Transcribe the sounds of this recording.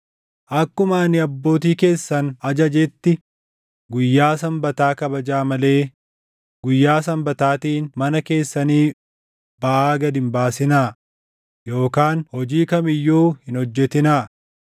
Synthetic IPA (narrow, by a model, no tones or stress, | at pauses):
ʔɐkːʊmanɪɐbːo̞ːt̪̬iːke̞ːsːɐnɐd͡ʒɐd͡ʒɛt̪ːɪ | ɡʊjːaːsɐmbɐt̪aːkɐbɐd͡ʒaːmɐle̞ː | ɡʊjːaːsɐmbɐt̪aːt̪iːnmɐnɐke̞ːsːɐniː | bɐʔaːɡɐd̪ɪmbaːsɪnaː | jo̞ːkaːnhɔd͡ʒiːkɐmɪjːuːhɪnɔd͡ʒːɛt̪ɪnaː